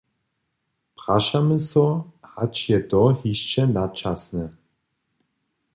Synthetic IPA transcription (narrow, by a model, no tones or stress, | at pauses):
pʁ̥aʃaməsɔhat͡ʃjɛd̪ɔhiʃt͡ʃɛnat͡ʃasnɛ